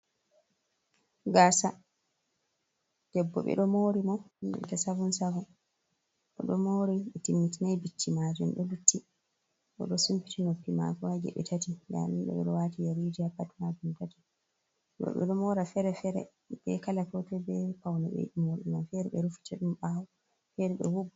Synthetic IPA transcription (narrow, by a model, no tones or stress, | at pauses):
ɡasa | d̥ɛbːɔ̰ɓɛ̰ɗɔmoɾimɔɗɛ̰tasavunsavu | ɗɔ̰ɗɔmoɾiɓɛtimːitinajbitʰːimaːd͡ʒumɗɔlutʰːi | ɗɔ̰ɗɔsumpi̥tinopːima̰kɔwaɡɛ̰ɓɛ̰tʰatiɡa̰minɗɔ̰ɓɛ̰ɗɔwatijaɾid͡ʒiapatmad͡ʒumtati̥ | wɔ̰ɓɛ̰ɗɔmɔɾafɛɾɛfɛɾɛ̰ | bɛ̰kalakɔtɔbɛpawnɛɓɛ̰ɗimoɾɗimafɛɾɛɓɛɾufi̥tɛɗumɓawɔ | fɛɾɛɗɔ̰wub